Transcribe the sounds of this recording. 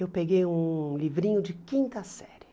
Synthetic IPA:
ewpeɡejũlivɾĩɲʊd͡ʒɪkĩnt̪ɐsɛɾɪ

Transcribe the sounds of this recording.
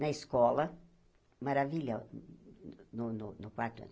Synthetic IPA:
nɐiskɔlɐ | maɾaviʎɐ | nʊnʊnʊkwaɾt̪ɐ̰̃

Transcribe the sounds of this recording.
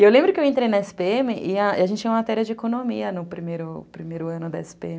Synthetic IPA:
ewlẽbɾʊkɪewẽnt̪ɾejnɐɛsɪ̥peemɪʔɪɐiaʒẽnt͡ʃɪt͡ʃɛ̃ũmɐmat̪ɛɾiɐd͡ʒɪekonomiɐnʊpɾimejɾʊpɾimejɾʊɐ̃nʊd̪ɐɛsɪ̥peẽmɪ

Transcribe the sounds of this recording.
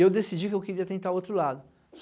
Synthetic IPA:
ewd̪esid͡ʒikɪewkeɾiɐt̪ẽnt̪aɾot̪ɾʊlad̪ʊ | s

